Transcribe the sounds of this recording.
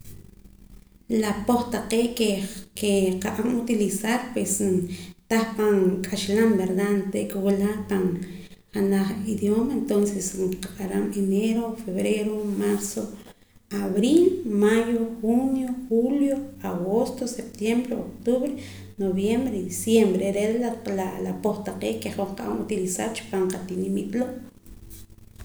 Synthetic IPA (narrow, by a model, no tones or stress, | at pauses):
lapoχt̪aqeːʔkekeqaʔamut̪ilisaɾpwest̪aχpaŋkʼaʃlambeɾd̪ant̪eʔkewalapaŋ | χanaχiðjomaent̪onsesŋqaqaɾa̰meneɾofeβɾeɾomaɾso | aβɾilmajoxunjoxuljoaɣost̪osep̚t̪jembɾeokt̪uβɾe | noβjembɾed̪isjembɾeɾelalapoχt̪aqeːkeχoχqaʔamut̪ilisa̰ɾt͡ʃu̥paɴqat̪inimit̪loʔ